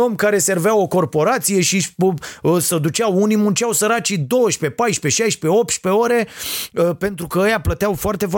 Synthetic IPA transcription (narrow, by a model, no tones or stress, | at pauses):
omkaɾe̞serveawo̞ko̞rpo̞ɾat̪sije̞ʃipsəd̪ut͡ʃawunimunt͡ʃeawsəɾat͡ʃid̪o̞wəʃpe̞pajʃpe̞ʃajʃpe̞o̞p̚t̪ʃpe̞o̞ɾe̞ | pe̞nt̪ɾukəəjaplət̪eawfoart̪e̞f